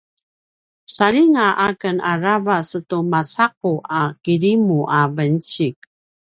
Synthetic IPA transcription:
saɾiŋaʔakənaɾavasətumat͡saq̚uʔakiɾimuʔavənt͡ɕik

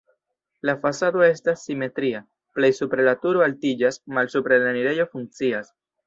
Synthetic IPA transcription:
lafasado̞e̞stasːime̞t̪ɾia | ple̞jsupɾelatuɾoaltid͡ʒasmalsupɾenaniɾe̞jo̞fuŋk̚t͡sias

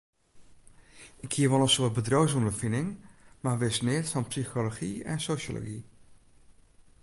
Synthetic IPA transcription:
ʔɪkʰːiəʋɔlˠənsʊət̚bədrowsondəfɪnɪŋmaːʋɪsnɪːtfɔnpsixoloxḭɛ̰nsoso̰lo̰ɡi

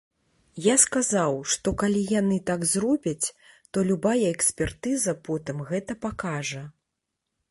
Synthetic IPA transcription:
jaskazawʂt̪ɔkalʲijanɨt̪aɡzrɔbʲɐt͡sʲ | t̪ɔlʲubajɐɛksʲpʲɛrt̪ɨzɐpɔt̪ɨmɣɛt̪ɐpakaʐɐ

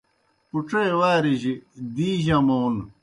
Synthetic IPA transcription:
puʈ͡ʂewaːɾiʑid̪iːʑãmown

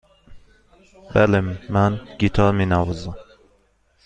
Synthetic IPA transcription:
bælemænɡ̥it̪ʰɒɾminævɒzæm

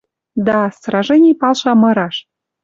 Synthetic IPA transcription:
d̪ɑst̪rɑʒenʲipɑlʃɑmɤ̆ɾɑʃ

